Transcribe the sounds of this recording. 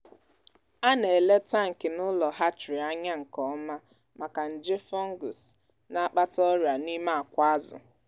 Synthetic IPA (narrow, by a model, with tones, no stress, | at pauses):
a˦ne˨le˦ta˦ŋ̩˨kɪ˨nʊ˦lɔ˨ɦa˦t͡ʃɾi˨a˦ɲa˦ŋ̩˨kɔ˦ma˦ | ma˨ka˨n̩˨d͡ʒɪ˦fɔ˦ŋ˦ɡʊ˨s | na˦k͡pa˦tɔ˦ɾa˨ni˦ma˦a˨kʷa˦zʊ̰˨